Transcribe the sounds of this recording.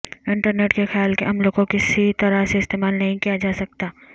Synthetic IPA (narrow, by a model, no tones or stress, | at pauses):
ɪ̃ɳʈəɾneːʈkexjaːlkeɐmloːɡokɪsit̪ɐɾaseɪst̪eːmaːlnɐɦĩkijad͡ʒaːsɐk̚t̪aː